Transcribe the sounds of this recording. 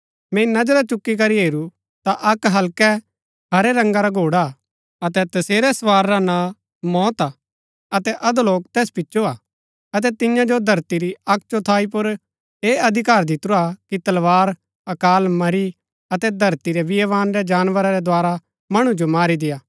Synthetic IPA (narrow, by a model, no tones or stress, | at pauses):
mɛ̃ːinɐd͡ʒəɾat͡ʃʊkːik̬ɐɾiɦeːɾu | t̪aʔɐkɦɐlkɛ | ɦɐɾɛɾɐ̃ŋɡaɾaɡʱoːɽa | ɐt̪ɛt̪ɐseːɾɛsʋaːɾːana | mɔːt̪a | ɐt̪ɛʔɐd̪loːk̚t̪ɛːspɪtːʃoaː | ɐt̪̬ɛt̪ɪjãd͡ʒod̪ʱɐɾt̪iɾiɐk̚t͡ʃot̪ʰaːip̬ʊɾ | eːɐd̪ʱɪkaːɾd̪ɪt̪ɾuakit̪ɐlʋaːɾ | ɐkaːlmɐɾi | ɐt̪ɛd̪ʱɐɾt̪iɾɛʋɪjɛʋaːnɾɛd͡ʒaːnʋəɾaɾɛd̪waːɾa | mɐɽ̃ũd͡ʒomaːɾid̪ɪjaː